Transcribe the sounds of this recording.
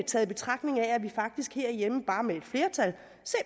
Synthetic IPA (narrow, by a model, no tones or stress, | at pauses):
t͡sʰɛːð̩ˠb̥e̝t͡sʰʁɑ̈ɡ̥ne̝ŋææʋifɑ̈ɡ̥̚d̥isɡ̥he̝ɐ̰jeməb̥ɑ̈ːmee̝d̥fle̝ːɐt͡sʰæl | se